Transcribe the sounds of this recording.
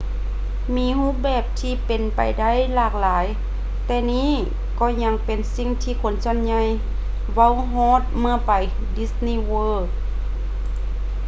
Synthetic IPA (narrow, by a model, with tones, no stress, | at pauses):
miː˧˥huː˧˥p̚bɛː˨˩p̚t̪ʰiː˧pe˨npa̰˨jda˥˨jlaː˧˩k̚laː˨˦j | t̪ɛː˧niː˧˥˨ | kɔː˧˩ɲa˧˥ŋpe˨˩nsi˧˨ŋt̪ʰiː˧kʰo˨˦nsu˧˨nɲa˧j | wa˧˥˨wɦɔː˧˥˨t̪̚mɯ˧ɐpa˨˩j | di˧˥sniː˧˨wɤː˧˩k